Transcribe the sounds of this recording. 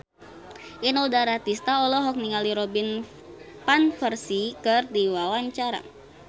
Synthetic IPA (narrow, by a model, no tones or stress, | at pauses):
ʔinɔdaɾat̪ist̪aɔlɔɦɔk̚niŋaliɾɔbin | panfərsikɨrdiwawaɲt͡ʃaɾa̰